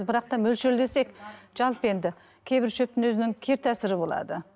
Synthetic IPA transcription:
bɪɾɑq̚t̪ɑmɵlʃɪld̪e̞se̞kʒ̥ɑlˠpəe̞nd̪ɪ | kʲʰe̞jbɪɾʃɵp̚t̪ɪnwɵzɪnɪŋkʲʰe̞ɾt̪ʰæsɪɾɪbo̞lˠɑ̰d̪ə

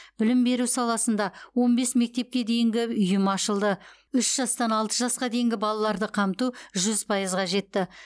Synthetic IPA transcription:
b̥ɪlɪmbe̞ɾusɑlˠɑsənd̪ɑwo̞nbe̞sme̞k̚t̪e̞p̚kʲe̞d̪e̞jɪŋɡʲɪʏjɪmɑʃəlˠd̪ə | ʏʃʒ̥ɑst̪ɑnɑlˠt̪əʒɑsqɑd̪e̞jɪŋɡʲɪbɑlˠɑlˠɑɾd̪əqʰɑmt̪uʒʏzpʰɑjəzʁɑʒe̞t̪ːɪ

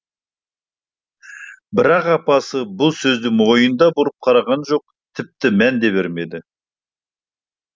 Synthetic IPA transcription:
bɪɾɑqɑpɑsəbʊlˠsɵzd̪ɪŋmwo̞jənd̪ɑbʊɾəp̚qʰɑɾɑʁɑnʒo̞q̚ | t̪ʰɪp̚t̪ɪmænd̪e̞βe̞ɾme̞d̪ɪ

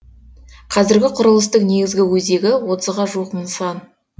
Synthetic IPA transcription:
qʰɑzɪɾɡʲɪqʰʊɾəlˠəst̪əqne̞ɡʲɪzɡʲɪwɵze̞ɡʲɪwo̞t̪əzʁɑʒuəqmənsɑn

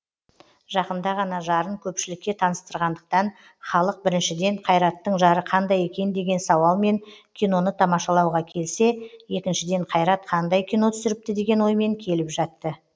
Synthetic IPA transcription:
ʒɑqənd̪ɑʁɑnɑʒɑɾəɴkʲʰɵpʃɪlɪkʲːe̞t̪ʰɑnəst̪əɾʁɑnd̪əq̚t̪ɑn | χɑlˠəq̚bɪɾɪnʃɪd̪e̞ɴqʰɑjɾɑt̪ːəɴʒɑɾəqʰɑnd̪ɑje̞kʲe̞nd̪e̞ɡʲe̞nsɑwɑlˠme̞ŋkʲʰijno̞nət̪ʰɑmɑʃɑlˠɑwʁɑkʲʰe̞lse̞je̞kʲɪnʃɪd̪e̞ɴqʰɑjɾɑt̪̚qʰɑnd̪ɑjkʲʰijno̞t̪ʰʏ̥sɪɾɪp̚t̪ɪd̪e̞ɡʲe̞nwo̞jme̞ŋkʲʰe̞lɪpʒɑt̪ːə

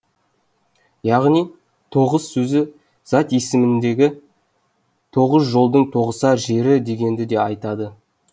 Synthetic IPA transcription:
jɑʁnij | t̪ʰo̞ʁəsːɵzɪ | z̥ɑt̪je̞sɪmɪnd̪e̞ɡʲɪ | t̪ʰo̞ʁəzʒo̞lˠd̪əɴt̪ʰo̞ʁəsɑʒe̞ɾɪd̪e̞ɡʲe̞nd̪ɪd̪e̞ɑjt̪ɑd̪ə

